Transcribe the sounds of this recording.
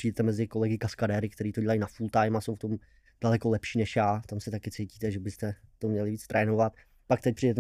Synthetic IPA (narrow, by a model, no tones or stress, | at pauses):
r̥ijdɛt̪ɛmɛzɪkolɛɡɪkaskadɛːɾɪk̚t̪ɛɾiːt̪o̞ɟɛlajnafult̪ajmasowft̪o̞m | d̥alɛkolɛpʃiːnɛʃjaːt̪amsɛt̪akɪt͡sejciːt̪ɛʒɛbɪst̪ɛt̪o̞mɲɛlɪviːt͡st̪ɾʔɛːno̞vat̪ | pak̚t̪ɛc̚pr̥ijdɛt̪ɛ